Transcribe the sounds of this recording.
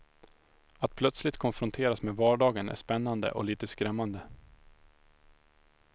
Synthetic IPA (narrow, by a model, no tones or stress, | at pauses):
at̪̚pʰlœt̪slɪt̪kʰɔnfɾʊnt̪ʰeːɾasmeːvɑːɖɑːɡənʔæ̰ʂpɛnːand̪ə̰ʔɔ̰liːt̪əskɾɛmːand̪ə